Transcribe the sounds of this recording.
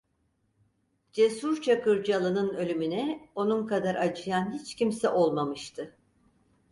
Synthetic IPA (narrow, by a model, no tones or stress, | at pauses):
d͡ʒesuɾt͡ʃʰakɯɾd͡ʒalˠɯnɯnø̞lʲymynɛo̞nunkad̪aɾʔat͡ʃʰɯjanɦit͡ʃcimsɛʔo̞lˠmamɯʃt̪ʰɯ